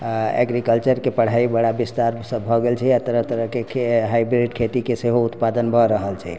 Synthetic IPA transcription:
ḛɡɾikəlt͡ʃəɾkepəɽ̤aibəɽabist̪aɾsəbʱɔɡelt͡ʃʰɛat̪əɾəɦt̪əɾəɦkekeɦajbɾiʈkʰet̪ikeseɦout̪pad̪ənbʱɔɾəɦəlt͡ʃʰɛ

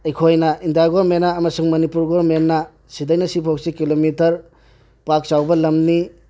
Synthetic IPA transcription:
ɐjkʰojnɐindiaɡoɾmenaːmɐsuŋmɐnipuɾɡoɾmenːɐ | sidɐjnɐsipʰok̚sikilomitɐɾ | pak̚sawbɐlɐmni

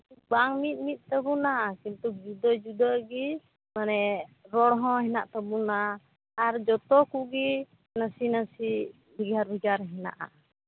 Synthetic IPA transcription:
ubaŋmit̪̚mit̪̚t̪əbunakint̪uk̚d͡ʒud̪əd͡ʒud̪əɡi | manɛɾɔɽɦɔ̃ɦina̰ʔt̪əbuna | aɾd͡ʒɔt̪ɔkuɡi | nasinasi | biɡaɾbiɡaɾɦina̰ʔa̰

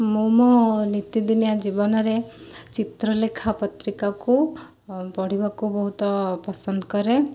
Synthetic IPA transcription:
momɔnit̪id̪inijad͡ʒibɔnɔɾet͡ʃit̪ɾɔlekʰapɔt̪ɾikaku | pɔɽ̤ibakubɔɦut̪ɔpɔsɔnd̪ɔkɔɾe

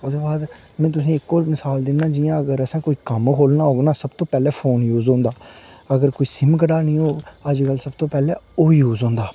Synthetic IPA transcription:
ʊd̪oːbaːd̪ | mɛ̃ːt̪ʊsĩːɪkːoːmɪsaːld̪ɪnːãːd͡ʒɪjãːəɡəɾəsãːkoːiːkəmkʰoːlnaːɦoːɡnãːsəbt̪oːpɛːlɛːpʰoːnjuːzõːnd̪aːəɡəɾkoːiːsɪmkəɽaːnĩːoːəd͡ʒkəlsəbt̪õːpɛːlɛːoːjuːzɦõːnd̪aː

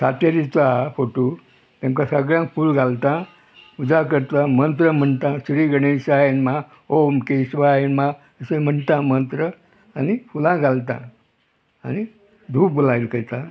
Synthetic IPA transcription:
sat̪aɾit͡safoʈo | t̪jãmkasəɡɭjãŋkfuːlɡʱalt̪ã | ud͡zakəɾt̪ãmənt̪ɾəm̤əɳt̪ãsɾiːɡəɽẽɕaenma | omkesʋaenma | əsẽm̤əɳt̪ãmənt̪ɾə | anifulãɡʱalt̪ã̰ | añi | d̪ʱuːpbolailkəjt̪ã

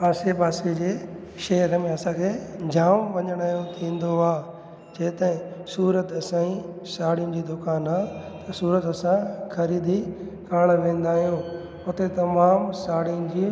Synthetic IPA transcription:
aːsepaːsed͡ʑeːʃɐjəɾəmẽɐsãkʰeːd͡ʑaːmʋɐɲəɽ̃aːɦjõt̪ʰĩːnd̪oaː | d͡ʑeːt̪ɐ̃ɦɪ̃suːɾət̪ɐsãːĩ | saːɽiʊ̃nɪ̆d͡ʑiːd̪ʊkaːnaːt̪ɐsuːɾət̪ɐsãxɐɾiːd̪i | kʰaːɽ̃ʋẽːn̆d̪aːɦijõ | ʊt̪et̪ɐmaːmsaːɽiʊnɪ̆d͡ʑiː

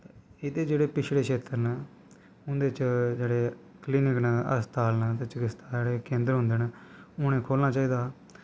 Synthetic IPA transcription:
t̪eɪd̪eːd͡ʒeːɽeːpɪt͡ʃʰɽeːkʰeːt̪əɾnaː | ʊnd̪eːt͡ʃd͡ʒeːɽeː | kliːnɪknaːə̰st̪aːlnaːt̪et͡ʃəkɪst̪aːeːɽeːkẽːnd̪əɾɦʊ̃nd̪eːnaːʊñẽːkʰoːlnaːt͡ʃaːiːd̪aː

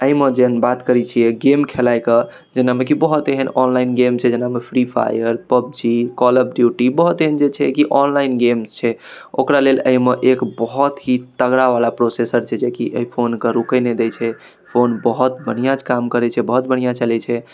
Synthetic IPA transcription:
əimed͡ʒeɦənbat̪kəɾɛt͡ʃʰijɛɡemkʰelajkə | d͡ʒenamekibəɦut̪eɦənɔnlaɪnɡemt͡ʃʰɛd͡ʒenamepʰɾipʰa̰jəɾpəb̚d͡ʒikɔləb̚ɖjuʈibəɦut̪eɦənd͡ʒet͡ʃʰɛkiʔɔnlainɡemst͡ʃʰɛo̰kɾaleləimeʔekbəɦut̪ɦit̪əɡɽaʋalapɾosesəɾt͡ʃʰɛd͡ʒekiʔəipʰonkəɾukəned̪et͡ʃʰɛ | pʰonbəɦut̪̚bəñ̤ijãt͡ʃʰkamkəɾɛt͡ʃʰɛbəɦut̪̚bəɽ̤̃ijat͡ʃəlɛt͡ʃʰɛ

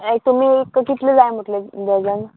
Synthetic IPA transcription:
et̪um̤iːekːəkit̪led͡zajm̤oʈled̪ad͡zan

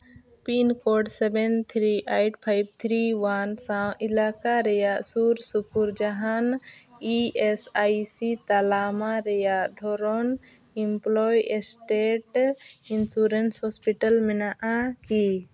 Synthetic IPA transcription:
pinkoɾɖsɛbɛnt̪ʰɾiʔajʈpʰajb̚t̪ʰɾiwansãilakaɾɛjaʔsuɾsukuɾd͡ʒaɦaniesajsit̪alamaɾɛjaʔd̪ʱɔɾɔn | implɔjesʈeʈinsuɾenshɔspiʈəlmɛnaʔaki

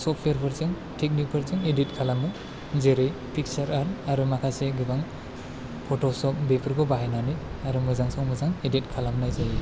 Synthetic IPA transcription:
sɔpʰejaɾpʰɯɾzɯŋ | tʰek̚nik̚pʰɯɾzɯŋedit̚kʰalamɯ | zeɾɯj | pʰik̚saɾaɾaɾumakʰaseɡɯbaŋ | pʰɔtɔsɔp̚bepʰɯɾɡɔbaɦajnanɯjaɾumɯzaŋsɔŋmɯzaŋedit̚kʰalamnajzaj

